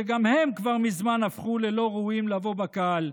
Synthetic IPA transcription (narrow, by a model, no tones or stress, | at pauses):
eɡamhe̞mkvaʁmizmanafχule̞lo̞ʁuimlavo̞bakaal